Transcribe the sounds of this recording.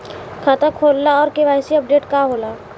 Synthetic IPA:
kʰaːt̪akʰoːlːaɔːɾkeʋaːjsiɐp̚ɖeːʈkaɦoːlaː

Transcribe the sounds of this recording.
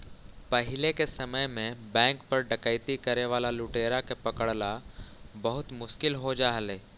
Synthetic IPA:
pəɦɪlekesɐməjmẽbɛ̃ːŋk̚pɐɾɖɐkəɪt̪ikɐɾeʋaːlalʊːʈeːɾakepɐkəɽlabɐɦʊt̪mʊʃkɪlɦod͡ʒaːɦəleː

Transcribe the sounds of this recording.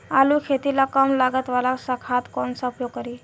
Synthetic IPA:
aluːkʰet̪ilakəmlaɡət̪ʋalaksakʰat̪konsaupjokəɾi

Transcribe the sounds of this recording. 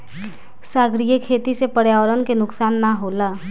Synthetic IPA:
saɡɾijəkʰet̪isepəɽjaːwəɾənkenʊksaːnːaɦola

